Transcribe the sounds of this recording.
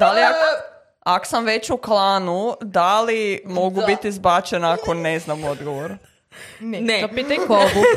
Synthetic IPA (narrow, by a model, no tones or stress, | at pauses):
d̪aliak | ako̥samʋet͡ɕuklˠaːnud̪alimo̞ɡubit̪izbat͡ʃenaakʰoneznamo̞d̪ɡoʋoɾ | nepit̪akob